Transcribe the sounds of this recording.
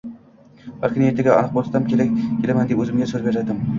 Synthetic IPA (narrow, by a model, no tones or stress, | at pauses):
vakʰʲɪnjet̪ɪɡʲaɒ̰nɨq̚bolt̪ʰt̪amkʲʰe̞ɾak̚ʲkʲʰːelamand̪epɵzɪmɡʲasoɾbeɾad̪ɪm